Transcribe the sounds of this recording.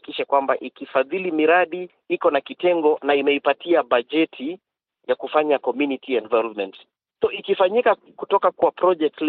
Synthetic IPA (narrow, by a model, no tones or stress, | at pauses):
kiʃakwambaʔikifaðilimiɾaɗi | ikɔnakitɛŋɡɔnaimɛipatiaɓaʄɛtʰi | jakufaɲakɔmjunitiɛnvalɔmɛnt | sɔikifaɲika | kutɔkakuwapɾɔd͡ʒɛk̚tl